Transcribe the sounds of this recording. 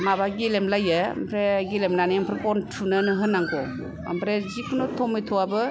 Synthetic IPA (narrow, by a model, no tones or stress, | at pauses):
mabaɡilemlaja̰mpʰɾeɡilemnaniampʰɾekɔntʰunɯnɯɦɯnːaŋɡɔ | ɐ̰mpʰɾezikʰunɔtʰɔmijtʰɔwabɯ